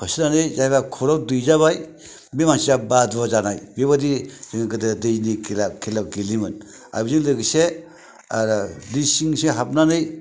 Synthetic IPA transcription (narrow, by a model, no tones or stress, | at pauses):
pʰasinanɯjzaɡakʰɔɾawdujzaβaj | bimaŋsijabadazanajbiβadiz̥ɯŋkɯdɯdɯjniklakʰelaɡilimɯn | a̰bizɯŋlɯɡise | aɾadisiŋseɦap̚nanɯj